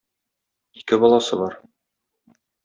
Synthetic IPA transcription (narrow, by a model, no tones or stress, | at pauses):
ikɘbɒlˠɑsɤbɒɾ